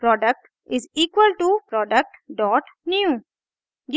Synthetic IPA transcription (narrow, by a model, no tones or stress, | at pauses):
pɾɔːɖək̚ʈ | ɪziːkwəlʈupɾɔːɖək̚ʈɖɔːʈnjuː | ɡ